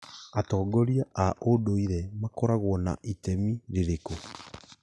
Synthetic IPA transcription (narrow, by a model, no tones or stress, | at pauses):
atɔːɡɔɾjaʔaʔodoiɾɛmakɔɾaɣwɔna̰ʔitɛmiɾeɾeko